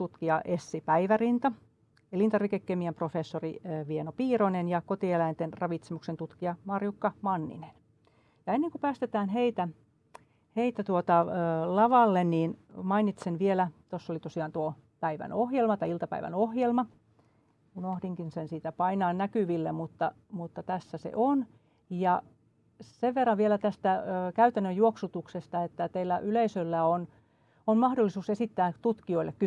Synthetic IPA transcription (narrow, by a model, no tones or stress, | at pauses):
t̪ut̪kiɑʔesːipæiʋærint̪ɑ | elint̪ɑrʋikekːemiæmprofesːoriʋienopiːronenjɑkot̪ielæint̪enrɑʋit̪semuksent̪ut̪kiɑmɑrjukːɑmɑnːḭnen | jɑenːeŋkopæːst̪et̪æːnheit̪æ | heit̪æt̪uot̪ɑlɑʋɑlːenniːnmɑinit̪senʋielæt̪osːolit̪osiɑːˑnt̪uopæiʋæ̰nohjelmɑt̪ɑiilt̪ɑpæ̰iʋæ̰nohjelmɑ | unohdiŋkinsensiːt̪æpɑinɑːnnækyʋilːemmut̪ːɑ | mut̪ːɑt̪æsːæsḛʔon | jɑ | seʋʋerːɑʋʋielæt̪æst̪æːkæyt̪ænːøjjuoksut̪uksest̪ɑet̪ːæt̪eilːæʔyleisølːæon | onmɑhdolːisuːsesit̪ːæːt̪ut̪kioilːekky